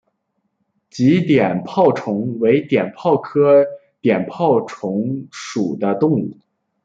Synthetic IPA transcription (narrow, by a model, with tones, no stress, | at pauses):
t͡ɕi˧˥t̪jɛ˨˩npʰɑ˥˩ʊʈ͡ʂʰʊ˧˥ŋwe˧˥ɪt̪jɛ˨˩npʰɑ˥˩ʊkʰɤ˥t̪jɛ˨˩npʰɑ˥˩ʊʈ͡ʂʰʊ˧˥ŋʂu˨˩d̪ə˦t̪ʊ˥˧ŋu˥˩